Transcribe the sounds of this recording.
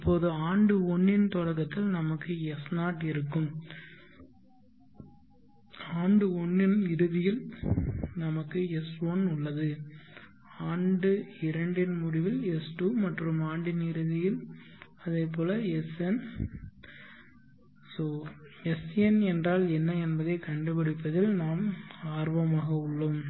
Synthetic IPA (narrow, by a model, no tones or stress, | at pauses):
ɪpːoːðɯaːɳɖɯɔɳːɪnt̪ɔɽɐɣɐt̪ːɪlnɐmɐkːɯɛsnaːʈɪɾɯkːɯm | aːɳɖɯɔɳːɪnɪɾɯðɪjɪl | nɐmɐkːɯɛsonʊɭːɐðɯ | aːɳɖɯɪɾɐɳɖɪnmʊɽɪʋɪlɛsʈuːmɐʈrɯmaːɳɖɪnɪɾɯðɪjɪl | ɐðɐɪpːoːlɐɛsɛn | soːɛsɛnɛndraːlɛnːɐɛnbɐðɐɪkɐɳɖɯbɐɽɪpːɐðɪlnaːmaːɾʋɐmaːɣɐʊɭːɯm